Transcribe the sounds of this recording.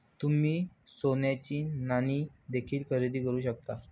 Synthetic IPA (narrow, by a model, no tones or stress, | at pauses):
t̪um̤iː | sonjat͡ɕiːnaniːd̪ekʰiːlkʰəɾid̪iːkəɾuːɕəkt̪a